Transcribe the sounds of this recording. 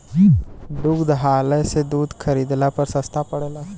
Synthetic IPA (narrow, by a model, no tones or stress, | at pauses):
ɖʊɡd̪ɦaːlesed̪uːd̪kʰɐɾiːd̪lapɐɾsɐst̪ʰapɐɽeːlaː